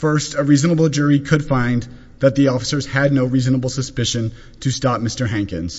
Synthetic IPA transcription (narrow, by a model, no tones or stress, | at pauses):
fɜ˞stəɹiznəbl̩ˠd͡ʒʊɹikʰɨd̥fãɪ̃n | ðɨt̪̚ðiɔfə̥sə˞z̥ɨdⁿnoʊɹiznəbl̩ˠsəspɪʃɨ̃n | tʰɨstɑp̚mɪstə˞ɦæ̃ŋkɨ̰̃nz̥